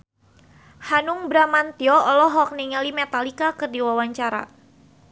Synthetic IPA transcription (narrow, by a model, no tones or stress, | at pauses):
hanuŋbɾamant̪iɔɔlɔɦɔk̚niŋalimɛt̪alikakɨrdiwawaɲt͡ʃaɾa̰